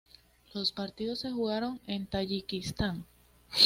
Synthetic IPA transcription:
lo̞spaɾt̪iðo̞sːe̞xuɣaɾo̞ŋe̞nt̪aʝikist̪aŋ

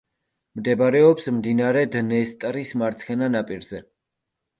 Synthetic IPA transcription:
md̪ɛbɾɛɔpsmd̪inaɾɛd̪nɛst̪ʼɾismaɾt̪sʰχɛnanapʼiɾz̥ɛ

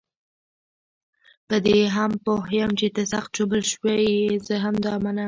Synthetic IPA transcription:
pəd̪eɦampoɦjəmt͡ʃet̪əsaxt̪̚d͡ʒobəlʃwejizəɦamd̪ɑmana

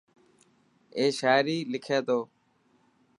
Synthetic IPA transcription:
eːʃaːɾiːlɪkʰeːd̪oː

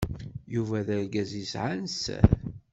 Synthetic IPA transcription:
juvæðæɾɡæzisʕansæ̰ɾ

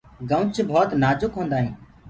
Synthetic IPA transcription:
ɡə̃ʊt͡ʃbʱoːt̪naːd͡ʒʊkɦõːnd̪aːɦĩː

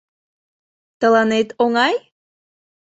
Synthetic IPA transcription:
t̪əlɑnet̪oŋɑj

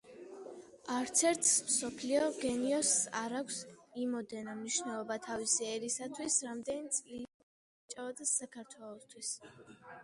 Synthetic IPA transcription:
aɾt̪sʰɛɾt̪ʰmsɔpʰliɔɡɛniɔsaɾakʷʰsimɔd̪ɛnamniʃnɛlˠɔbat̪ʰavisiɛɾisat̪ʰwisɾamd̪ɛnit̪sʼli | t͡ʃʼavad̪asakʰaɾt̪ʰwɛlˠɔst̪ʰwis

